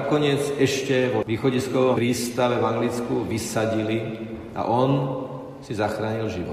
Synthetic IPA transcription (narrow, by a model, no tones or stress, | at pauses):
kɔɲɪɛd͡zɛʃcɛʋɔʋiːxɔɟiskɔʋɔɾiːst̪aʋɛvaŋɡlit͡skuʋisaɟili | a̰ʔɔn | sizaxɾaːɲilʒiʋɔ